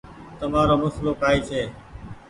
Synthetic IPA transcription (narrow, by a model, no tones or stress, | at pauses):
t̪əmaːɾoːmʊsloːkaːiːt͡ʃʰeː